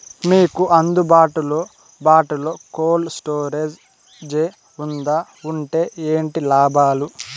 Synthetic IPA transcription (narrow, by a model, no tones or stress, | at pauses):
miːkuʔɐnd̪ubaːʈuloː | baːʈulo̞ːkoːlsʈoːɾeːd͡ʒ | d͡ʒe | und̪a | uɳʈe̞ːeːɳʈilaːbaːlu